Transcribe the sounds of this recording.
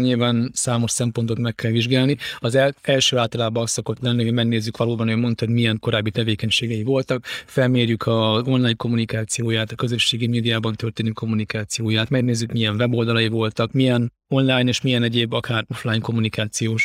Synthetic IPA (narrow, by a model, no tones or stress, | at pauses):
ɲilvaːnsaːmo̞ʃsɛmpont̪o̞t̪mɛkːɛlʋiʒɡaːlniɒzɛɛlʃøːaːlt̪ɒlaːbɒst̪so̞ko̞t̪lɛnːioɟmɛɡneːzːykʋɒloːbɒnøːjmo̞nt̪ɒɦod̪mijɛŋko̞ɾaːbːit̪ɛveːkɛɲʃeːɡɛjivo̞lt̪ɒkfɛlmeːrjykʰɒzo̞nlaːjɲko̞mːunikaːt̪sijoːjaːt̪ɒkø̞zøʃːeːɡimeːd̪ijaːbɒnt̪ørt̪eːnykʰo̞mːunikaːt̪sijoːjaːt̪mɛɡneːzːykmiɛɱvɛbo̞ld̪ɒlɒjivo̞lt̪ɒkmijɛn | o̞nlaːjneːʃmijɛnɛɟeːbɒkʰaːro̞flaːjŋko̞mːunikaːt̪sijoːʃ